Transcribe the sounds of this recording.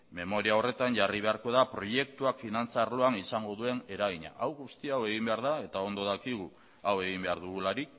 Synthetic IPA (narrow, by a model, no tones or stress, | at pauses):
me̞mo̞ɾiao̞re̞t̪aɲʝariβ̞e̞aɾko̞ðapɾo̞je̞k̚t̪uakfinant͡saɾlo̞anisaŋɡo̞ðue̞ne̞ɾaɣiɲa̰ʔawɣust̪iawe̞ɣ̞imbe̞aɾðae̞t̪ao̞nd̪o̞ðakiɣ̞u | awe̞ɣ̞imbe̞aɾðuɣulaɾik̚